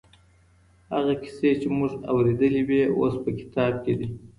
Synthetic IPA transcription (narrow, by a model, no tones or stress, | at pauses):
haɣakɪ̥set͡ʃemʊʐa̰wɾed̪əliweo̰spəkɪ̥t̪ɑb̚ked̪i